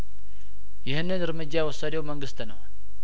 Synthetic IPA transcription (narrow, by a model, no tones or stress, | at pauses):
jɪhɨnːɨnɨɾmɨd͡ʒːajɛwɔsːad̪ewməŋɡɨst̪nəw